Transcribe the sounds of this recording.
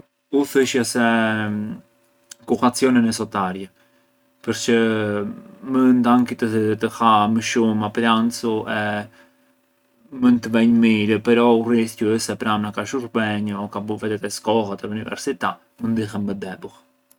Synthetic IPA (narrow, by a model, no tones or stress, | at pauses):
uθəʃasɛ | kukat͡sjɔnɛnɛs̬ɔt̪aɾjɛ | pəɾt͡ʃə | mənt̪aŋkit̪ət̪əhaməʃumaplant͡suɛ | mənt̪əvɛɲmiɾəpəɾɔuriθcuəsɛpɾamnakaʃuɾbɛɲɔkabuvɛt̪ɛt̪ɛskɔɦat̪əunivɛ̰ɾsit̪a | mənd̪ixəmbəd̪ɛbuh